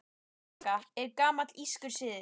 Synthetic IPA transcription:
kaɛɾkaːmat̪liskʏɾ̥sɪːðɪ

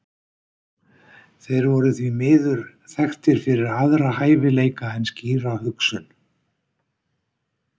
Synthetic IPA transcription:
θejɾvɔɾʏθvimɪːðʏɾ̥ | θɛxt̪ɪɾ̥fɪɾɪɾaðɾahaːjvɪleːjkaɛnsciːɾawhʏksʏn

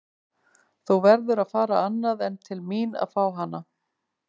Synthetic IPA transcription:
θuwvɛɾðʏɾaðfaːɾaanːaðɛnt̪ʰɪlmiːna̰ð̥faːwɦanːa

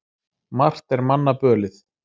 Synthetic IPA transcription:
mar̥t̪ɛɾmanːapœːlɪθ

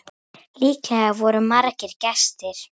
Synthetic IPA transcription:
liːkavɔɾʏmaɾcɪɾcɛst̪ɪɾ̥

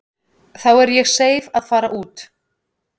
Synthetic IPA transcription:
θawɛɾjɛɣseːjvaðfaːɾaʔuːt̪

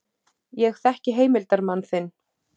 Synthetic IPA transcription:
jɛxθɛhcɪɦeːjmɪlt̪aɾmanːθɪnː

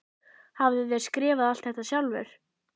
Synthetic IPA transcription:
havðɪvɛɾskɾɛːvaðal̥t̪hɛht̪ːasjawlvɛ̰ɾ̥

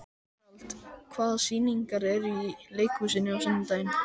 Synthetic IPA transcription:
lt̪kʰvaːðsiːniŋkaɾɛɾileːjkusɪnːɪawsɛnːɪnt̪aːjɪn

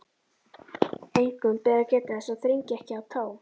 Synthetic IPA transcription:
ejŋkʏmpɛːðacɛːt̪ɪɛsaðθɾiɲcɪɛhcɪawt̪ʰaːw

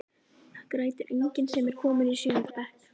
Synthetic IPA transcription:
kɾaːjt̪ɪɾʔejɲcɪnsɛmɛɾ̥kʰɔːmʏðisʏːnʏɾpɛht̪

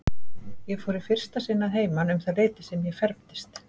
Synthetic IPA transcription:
jɛfɔːɾɪ̥fɪr̥st̪asɪnːaðɦeːjmanʏmθaðleːjt̪ɪ̥sɛmjɛɣfɛɾpt̪ɪ̥st̪

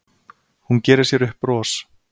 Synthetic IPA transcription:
huncɛːɾɪɾ̥sjɛɾʏhpɾɔːs

